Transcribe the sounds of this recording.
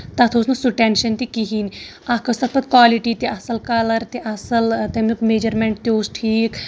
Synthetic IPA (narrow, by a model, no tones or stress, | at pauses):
t̪ɐt̪ʰoːsnusuʈẽnʃɐnt̪ikiɦiːn | akəst̪ɐt̪ʰbət̪̚kwaːliʈit̪iʔɐsɐlkaːləɾt̪eʔɐsəlt̪emukmeːd͡ʒəɾmẽɳʈt̪ʲoːsʈʰiːk